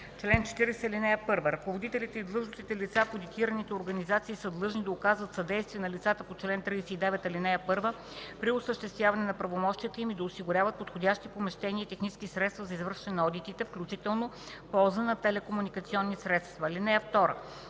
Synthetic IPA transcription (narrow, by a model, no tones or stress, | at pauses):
t͡ʃlɛnt͡ʃɛ̥t̪iɾɛsɛlinɛjəpɤɾvəɾɐkovod̪it̪ɛlit̪ɛid̪lˠɤʒnost̪it̪ɛlit̪sapod̪it̪iɾənit̪ɛoɾɡɐnizat̪siːsəd̪lˠɤʒnid̪ɐʊkazvət̪sɐd̪ɛjst̪vʲiənɐlit̪sat̪əpot͡ʃlɛnt̪ɾijsɛid̪ɛvɛt̪ɐlinɛjəpɤɾvə | pɾiʊsəʃt̪ɛst̪vjavɐnɛnɐpɾɐvomɔʃt̪ijət̪əimid̪ɐosiɡʊɾʲavət̪̚pot̪xodʲaʃt̪ipomɛʃt̪ɛniəit̪ɛxnit͡ʃskʲisɾɛt̪st̪vəzɐizvɤɾʃt̪ɛnɛnɔd̪it̪it̪ɛfklʲut͡ʃit̪ɛlˠno | pɔlˠzənɐt̪ɛlɛkomunikət̪siɔnːisɾɛt̪st̪vɐlinɛjəft̪ɔɾə̰